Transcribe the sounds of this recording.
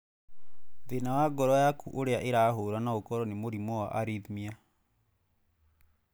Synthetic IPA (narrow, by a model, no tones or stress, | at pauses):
ðenawaɡɔɾɔjakuʔoɾeaʔeɾaɦoɾanaokɔɾɔnemoɾimowa̰ʔaɾiðimia